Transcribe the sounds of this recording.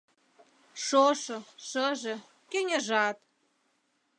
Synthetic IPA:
ʃoʃɤ̆ʃəʒĕ | kenʲĕʒɑt̪

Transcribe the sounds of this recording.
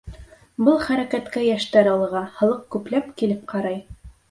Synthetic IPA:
bɤlˠχæɾækæt̪kæjæʃt̪æɾɑlˠɤ̆ʁɑhɤ̆lˠɤqkʉplæpkilɘp̚qʰɑɾɑj

